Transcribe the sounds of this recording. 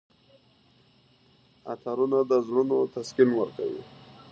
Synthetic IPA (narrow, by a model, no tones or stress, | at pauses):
a̰t̪aɾunad̪əzɽunot̪askinwəɾka̰wḭ